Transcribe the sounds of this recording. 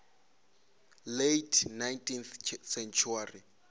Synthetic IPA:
letʰnajntʰʼinθsɛnt͡ʃʰuari

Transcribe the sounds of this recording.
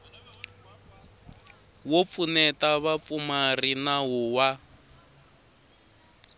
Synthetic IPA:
wop̪funɛtaβap̪fumarinaɦuwa

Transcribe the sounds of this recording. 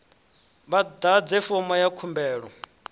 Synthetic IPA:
βad̪ad͡zɛfɔmɔjakʰumbɛːɺɔ

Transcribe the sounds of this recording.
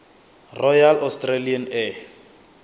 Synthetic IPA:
rɔjalɔstʼralianɛ

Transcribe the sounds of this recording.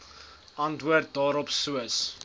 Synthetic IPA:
ʔɐntʋuərt̚dɑːɾɔpsuəs

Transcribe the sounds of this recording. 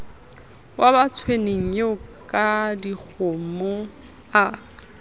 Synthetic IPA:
wʔabat͡sʰweneŋ̩joʊ | kʼadik͡xʰomʊ | a

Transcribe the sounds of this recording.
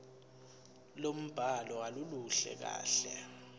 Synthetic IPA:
lom̩b̥ʱalɔaluluɬɛ̰k̬a̰ːɬɛ

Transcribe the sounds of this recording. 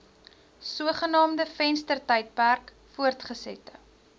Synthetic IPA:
suəχənɑːmdəfɛnstərtəjt̚pærk | fuərtχəsɛ̰tə̰

